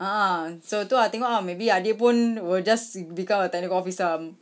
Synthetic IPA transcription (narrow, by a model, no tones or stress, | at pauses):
aʔãsot̪uat̪ɛŋɔʔamebiadepunwid͡ʒasbikãmat̪anikɔfisəm